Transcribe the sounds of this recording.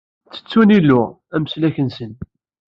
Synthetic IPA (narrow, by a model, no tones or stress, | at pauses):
t͡sːə̥t͡sːunilːʊ | æməslæçənsən